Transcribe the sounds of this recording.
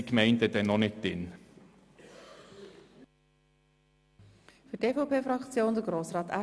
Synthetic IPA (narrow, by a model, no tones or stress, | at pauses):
kmeɪnt̪ɛt̪ɛnɔnɪt̚d̥ɪn | fʏteːfɔʊpʰeːfɾɑkt͡sjoːndəɡɾoːsrɑːtæ